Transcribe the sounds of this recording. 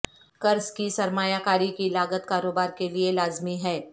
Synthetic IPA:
kɐɾskisɐɾmaːjakaːɾikilaːɡət̪kaːɾoːbaːɾkelielaːzmiɦɛː

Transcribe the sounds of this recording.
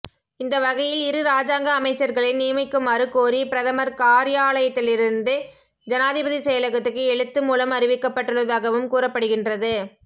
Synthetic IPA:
ɪnd̪ɐʋɐɣɐjɪlɪɾɯɾaːd͡ʒaːŋɡɐːmɐɪt͡ʃːɐɾɣɐɭɪnniːmɐɪkːɯmaːɾɯkoːɾipɪɾɐðɐmɐɾkaːɾɪjaːɭɐjɐt̪ːɪlɪɾɯnd̪ɯ | d͡ʒɐnaːðɪbɐðisɛjɐlɐɣɐt̪ːɯkːɯɛɻɯt̪ːɯmuːlɐmɐrɪʋɪkːɐpːɐʈːɯɭːɐðaːɣɐʋɯmkuːrɐpːɐɽɯɣɪndrɐðɯ

